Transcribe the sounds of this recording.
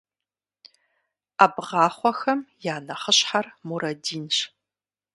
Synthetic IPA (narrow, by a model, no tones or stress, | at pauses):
aːbʁɑːχʷɔxɐmjaːnɐχəɕħarmuɾɐdiːnʃ